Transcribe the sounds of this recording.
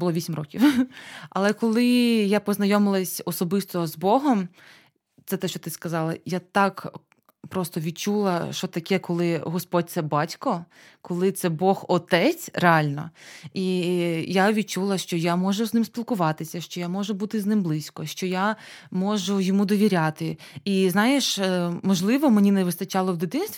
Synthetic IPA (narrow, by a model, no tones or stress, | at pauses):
bʊlˠɔʋisʲimrɔkʲiwɐlˠɛkɔlˠɪjapɔznɐjɔmɪlˠɐsʲɔsɔbɪst̪ɔzbɔɦɔm | t̪sɛt̪ɛʃt͡ʃɔt̪ɪskɐzɑlˠɐ̰jat̪ɑk | pɾɔst̪ɔʋʲid̪̚t͡ʃulˠɐʃt͡ʃɔt̪ɐkɛkɔlˠɪɦɔspɔd̚ʲt̪sɛbɑtʲkɔ | kɔlˠɪt̪sɛbɔxɔt̪ɛt͡sʲreɑlʲnɐ̰ijaʋʲid̪̚t͡ʃulˠɐʃt͡ʃɔjamɔʒʊznɪmsʲpʲilˠkʊʋɑt̪ɪsʲɐʃt͡ʃɔjamɔʒʊbut̪ɪznɪmblˠɪsʲkɔʃt͡ʃɔjamɔʒʊjɔmud̪ɔʋʲiɾʲat̪ɪiznɑjeʃmɔʒlˠɪʋɔmenʲinɛʋɪst̪ɐt͡ʃɑlˠɔwd̪ɪt̪ɪnst̪ʋʲ